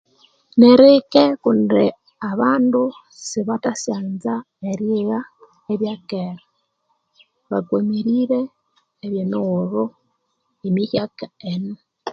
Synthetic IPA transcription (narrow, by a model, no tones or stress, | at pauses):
neɾekekundḭ | aβaːndu | siβatasaːnza | eɾiɣa | eβjakeɾa | βaɡwomiɾiɾeː | βjenoɣoɾu | imiçjakaenu